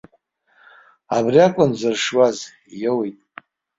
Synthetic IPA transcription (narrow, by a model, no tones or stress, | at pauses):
abriakʷʼʊnzɨrʂwaz | jewejtʼ